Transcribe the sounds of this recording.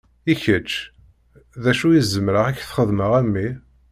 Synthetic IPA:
içət͡ʃː | ðæʃujizəmɾəʁæçθχəðməʁæmːi

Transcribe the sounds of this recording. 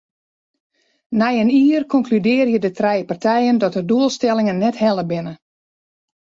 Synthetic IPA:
nɛjəniərkʰɔŋklydɪːrjədətrɛjəpartʰɛjəndɔtərduəlˠstɛlˠɪŋənːɛthɛlˠəbɪnə

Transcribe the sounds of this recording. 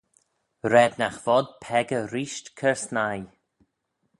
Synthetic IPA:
ɾɛd̪naxvɔd̪̚pʰɛɡəɾiːʃtkʰəɹsnaj

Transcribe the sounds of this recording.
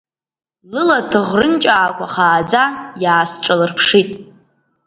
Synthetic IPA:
lɨlatʰɨʁrɨnt͡ʃʼaːkʷaχaːd͡zajaːsʈ͡ʂʼalɨrpʰʂitʼ

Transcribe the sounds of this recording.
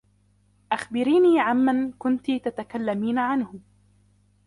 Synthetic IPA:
ʔaxbɪɾiːniːʕanmankʊnt̪it̪at̪akalːamiːnaʕanhʊ

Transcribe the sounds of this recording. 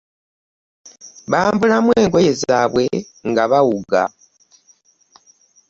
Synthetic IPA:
βaːmbulamwe̞ːŋɡo̞je̞zaːβwe̞ | ŋɡaβawuɡa̰

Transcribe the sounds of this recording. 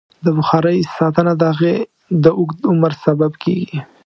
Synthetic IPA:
d̪əbʊxɑɾəjsɑt̪ənad̪əhaɣe | d̪əʔʊɡt̪ʊməɾsababkʰḛɡi

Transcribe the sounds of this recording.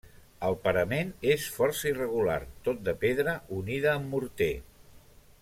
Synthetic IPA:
əlˠpəɾəmenesfɔɾsəirəɣ̞ula̰rt̪ot̪̚d̪əpeðɾəuniðəːmːuɾt̪e

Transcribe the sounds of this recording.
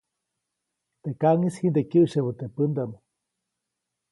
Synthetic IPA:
t̪ekaŋishind̪ekɨʔʃeβət̪epɨnd̪ano

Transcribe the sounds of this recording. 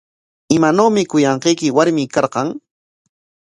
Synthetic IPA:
ɪmanawmɪkʊjɑɴqejkɪwaɾmɪkɑɾqɑŋ

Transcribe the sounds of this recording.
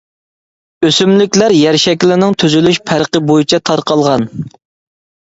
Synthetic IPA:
øsymlykʲlæɾjæɾʃɛkʲlɪnɪŋt̪ʰyzylyʃpʰæɾqəbojut͡ʃʰɛt̪ʰɑɾqɑlˠʁɑn

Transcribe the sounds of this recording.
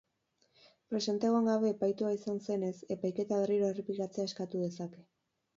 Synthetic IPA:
pɾe̞se̞nt̪eɣoŋɡaβe̞ːpajt̪uaisanse̞ne̞se̞pajke̞t̪aβe̞riɾo̞e̞replikat͡se̞aeskat̪uð̞e̞sake̞̥

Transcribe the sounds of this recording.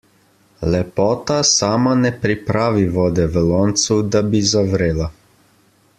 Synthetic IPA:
lɛpɔːt̪asaːmanɛpɾipɾaːʋiʋɔːd̪ɛʋəlɔːnt̪sud̪abizaʋɾeːla

